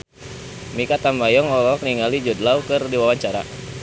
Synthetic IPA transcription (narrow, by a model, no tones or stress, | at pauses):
mikat̪ambajɔŋɔlɔk̚niŋalid͡ʒɔd̪laukɨrdiwawaɲt͡ʃaɾa̰